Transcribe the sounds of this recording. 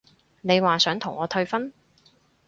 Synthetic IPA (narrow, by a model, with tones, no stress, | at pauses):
ne˨˧jwaː˨sœː˨˥ŋt̪ʰʊ˨˩ŋɔː˨˧t̪ʰɵ˧ɥfɐ˥n